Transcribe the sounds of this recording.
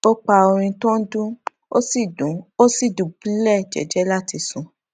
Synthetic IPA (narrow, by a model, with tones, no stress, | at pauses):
o˦k͡pa˧o˧ɾ̃ĩ˧tɔ̃˦dũ˦ | o˦si˦˨u˨o˦si˦˨dũ˨bĩ˦lɛ˦˨d͡ʒɛ̰˨d͡ʒɛ˨˦la˦˨ti˧sũ˧˦